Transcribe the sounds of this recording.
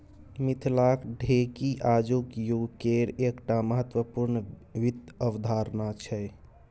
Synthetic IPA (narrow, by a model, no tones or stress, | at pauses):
mit̪ʰlakɖʱekiʔad͡ʒukjukeɾekʈaməɦət̪wəpuɾn | ʋit̪ːəbd̪ʱaɾnat͡ʃʰɛ